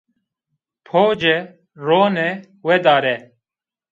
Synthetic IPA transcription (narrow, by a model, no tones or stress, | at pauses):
pʰoːd͡ʑe | ɾoːne | wed̪aːɾe